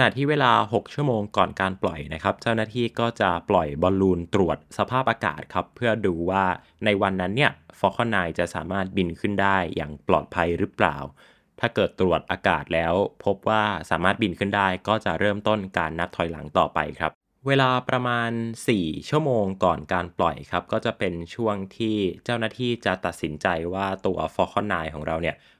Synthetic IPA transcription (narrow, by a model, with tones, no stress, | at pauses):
kʰna˨˩t̪ʰiː˥˩weː˧laː˧ɦo˨˩k̚t͡ɕʰu˥˩əmoː˧ŋkɔː˨˩nkaː˧nplɔ˨˩jna˦˥kʰa˦˥p̚t͡ɕa˥˩wnaː˥˩t̪ʰiː˥˩kɔː˥˩t͡ɕa˨˩plɔ˨˩jbɔː˧nluː˧nt̪ɾu˨˩ət̪̚sa˧pʰaː˥˩p̚ʔaː˧ka̰ː˨˩t̪̚kʰa˦˥pʰːɯ˥˩ɐduː˧waː˥˩ | na˧jwa˧nːa˦˥nːi˥˩ɐfɔ˦˥kʰɔː˧˥˩naː˧jt͡ɕa˨˩sa̰ː˩˦maː˥˩t̪̚bi˧nkʰɯ˥˩ndaː˥˩jːa̰ː˨˩ŋplɔ̰ː˨˩t̪̚pʰa˧jɾɯ˦˥pla̰ː˨˩w | t̪ʰaː˥˩kɤː˨˩t̪ːɾu˨˩ət̪̚ʔaː˧kaː˨˩t̪̚lɛː˦˥wpʰo˦˥p̚waː˥˩saː˩˦maː˥˩t̪̚bi˧nkʰɯ˥˩ndaː˥˩jkɔː˥˩t͡ɕa˨˩ʔɾɤː˥˩mt̪o˥˩nkaː˧nːa˦˥p̚t̪ʰɔ˨˩jla̰˩˦ŋt̪ɔː˨˩pa̰˧jkʰɾa˦˥p̚ | weː˧laː˧pɾa˧maː˧nsiː˨˩t͡ɕʰu˥˩əmoː˧ŋkɔː˨˩nkaː˧nplɔ̰˨˩jkʰɾa˦˥p̚kɔː˥˩t͡ɕa˨˩pe˧nt͡ɕʰu˥˩əŋt̪ʰiː˥˩t͡ɕaː˥˩wnaː˥˩t̪ʰiː˥˩t͡ɕa˨˩t̪a˨˩t̪̚si˩˦nt͡ɕa˧jwaː˥˩t̪u˧ɐfɔː˦˥kʰɔː˥˩nːaː˧jkʰɔː˩˦ŋɾʔa˧wni˥˩ɐ